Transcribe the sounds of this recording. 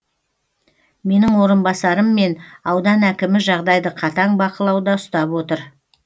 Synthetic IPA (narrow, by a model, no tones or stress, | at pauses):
me̞nɪŋwo̞ɾənbɑsɑɾəmːe̞nɑwd̪ɑnækʲɪmɪʒɑʁd̪ɑjd̪əqʰɑt̪ɑɴbɑqəlˠɑwd̪ɑʊst̪ɑpwo̞t̪əɾ